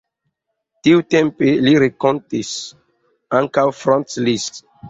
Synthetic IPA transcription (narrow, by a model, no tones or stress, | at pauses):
tiutẽmpeliɾekõntis | ãŋkawfɾɔ̃ntlist